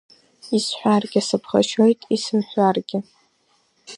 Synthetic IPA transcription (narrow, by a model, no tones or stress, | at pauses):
isħʷᶣarɡʲasɨpʰχa̰ʃo̞jtʼisɨmħʷᶣarɡʲɪ